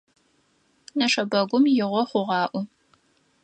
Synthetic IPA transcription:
nɐʂɐbɐɡʷʊmjɪʁʷɔχʷʊʁɑːʔʷʊ

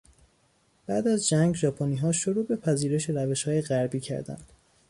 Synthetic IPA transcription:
b̥æːd̪æzd͡ʒæŋɡʒɒːpʰoniːɦɒːʃoɾuːbe̞pʰæziːɾe̞ʃeɾæve̞ʃhɒːjeɣæɾbiːcʰæ̰ɾd̪æ̰nd̪̥

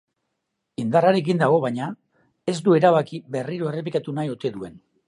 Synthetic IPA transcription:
ind̪araɾe̞k̬ind̪aɣ̞o̞βaɲa | e̞zd̪ue̞ɾaβakiβe̞riɾo̞e̞re̞p̬likat̪unajot̪e̞ðue̞n

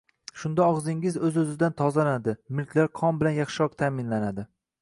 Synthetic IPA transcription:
ʃʊnd̪aɒʁzɪŋɪzɵzɵzɪd̪ant̪ʰɒzanad̪ɪmɪlkʲlaɾqʰɒmbɪlanjɑχʃɪɾɒq̚t̪ʰaːmɪnlanad̪ɪ

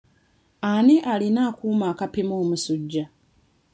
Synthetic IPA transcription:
aniʔalinaːkuːmaːkapimoːmusuɟːa

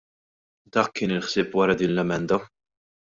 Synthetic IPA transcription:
d̪ɐːkːɪːnɪlħsɪːpwɐɾɐd̪iːnlɛmɛnd̪ɐ

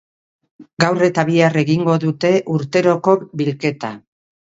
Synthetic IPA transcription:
ɡawre̞t̪aβiare̞ɣiŋɡo̞ðut̪e̞ʔuɾt̪e̞ɾo̞ko̞bilke̞t̪a

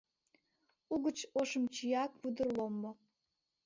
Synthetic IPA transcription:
uɣət͡ɕoʃəmt͡ɕijɑk̚βud̪ə̆rlomːo

